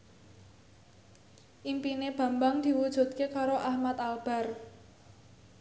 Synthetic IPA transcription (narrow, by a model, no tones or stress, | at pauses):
ʔimpineb̥ä̤mbaŋd̪̥i̤wud̥ʒ̥ṳt̪̚kekaɾoʔahmat̪alb̥a̤r